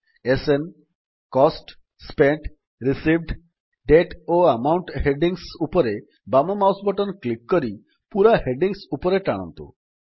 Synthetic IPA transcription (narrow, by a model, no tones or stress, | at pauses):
esen | kɔsʈ | speɳʈ | ɾisibɖ | ɖeʈoamawɳʈɦeɖiŋsupɔɾe | bamomawsbɔʈɔnklikːɔɾi | puɾaɦeɖiŋsupɔɾeʈaɽ̃ɔ̰nt̪ṵ